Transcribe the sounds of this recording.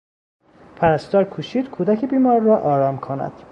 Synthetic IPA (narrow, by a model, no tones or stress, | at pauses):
pʰæɾæst̪ɒːɾkʰuːʃiːd̪̥kʰuːd̪ækʰebiːmɒːɾːɒːʔɒːɾɒːmkʰonæ̰d̪̥